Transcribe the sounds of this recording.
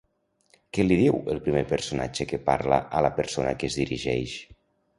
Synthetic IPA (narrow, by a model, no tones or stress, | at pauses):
keliðiwəlˠpɾimepəɾsunad͡ʒəkəpaɾlə̰ʔələpəɾsonə̰kezðiɾiʒɛʃ